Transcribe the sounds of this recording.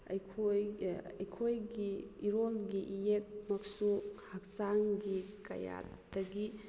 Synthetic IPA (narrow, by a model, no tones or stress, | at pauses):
a̰jkʰojajkʰojɡiːɾolɡiʔijek̚mɐksuhak̚saŋɡikɐ̰ja̰t | dɐɡi